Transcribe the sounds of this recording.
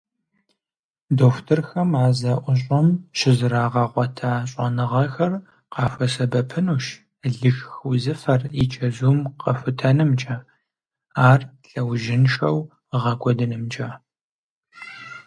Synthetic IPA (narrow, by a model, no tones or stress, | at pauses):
doːftʰɨrxɐmaːzɐʔʷʊɕʼɔmʃɪzɨɾaːʁɐʁʷɔtʰaːɕʼɐnɨʁɐxɐr | qɑːfʷɐsɐbɐpʰɨnuːʃ | ɮɨxxʊzɨfɐrit͡ʃʰʼɐzuːmqɐfʷʊtʰɐnɨmt͡ʃʼɐ | aːrɬɐwʒɪnʃɐw | ʁɐɡʷɔdɨnɨmt͡ʃʼɐ